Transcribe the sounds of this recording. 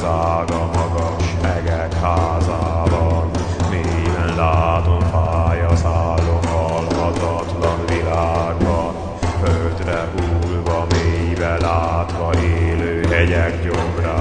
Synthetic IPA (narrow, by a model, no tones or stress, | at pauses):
zaːɡɒmɒɡɒʃmɛɡɛkhaːzabɒn | meːjbɛnlaːt̪omfaːjɒzaːlːomɦɒlɦɒt̪ɒt̪lɒnvilaːɡbɒn | følt̪rɛʔuːlvɒmeːjbɛlaːt̪ʋɒʔeːløːɦɛɟɛɡɟomraː